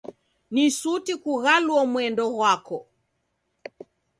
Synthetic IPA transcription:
nisutikuɣalwɔmwɛndɔɣwakɔ

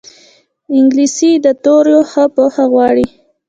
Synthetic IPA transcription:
ɪŋɡlisid̪ət̪oɾjoxapoxaɣwɑɽi

